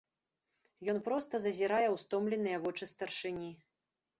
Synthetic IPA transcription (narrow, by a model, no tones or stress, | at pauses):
jɔnpɾɔst̪ɐzɐzʲiɾajɛwst̪ɔmlʲɛnɨjɐvɔt͡ʂɨst̪ɐrʂɨnʲi